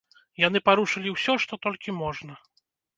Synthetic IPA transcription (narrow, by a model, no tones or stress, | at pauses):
janɨpaɾuʂɨlʲiwsʲɔʂt̪ɔt̪ɔlʲkʲimɔʐnɐ